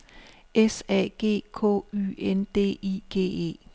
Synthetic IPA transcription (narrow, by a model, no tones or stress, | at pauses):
esɛɡ̥e̝̰ːkʰɔ̰ːy̰end̥e̝̰ːiɡ̥e̝̰ːḛː